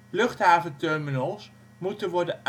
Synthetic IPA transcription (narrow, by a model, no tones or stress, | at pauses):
lɵχtɦaːvəntɛɹminɔlˠs | mutənʋɔɹdən